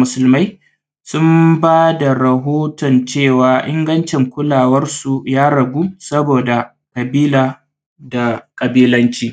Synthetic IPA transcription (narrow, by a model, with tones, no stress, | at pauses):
mʊ˨sʊ˨lma˦j | sʊ˦mbaː˦da˨ɾɐ˨ɦoː˦tɔ˨nt͡ʃeː˦˨waː˨ʔɪ˦ŋɡɐ˦nt͡ʃɛ˨ŋkʷʊ˦laː˨wɐ˦rsu˨jaː˦ɽɐ˨ɡʷuː˦sɐ˦boː˨da˨ | kɐ˨biː˦laː˨ | da˨kʼɐ˨biː˦lɐ˦nt͡ʃiː˦